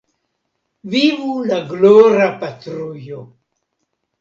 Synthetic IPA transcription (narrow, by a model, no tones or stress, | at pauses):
vivulaɡloɾapatɾujo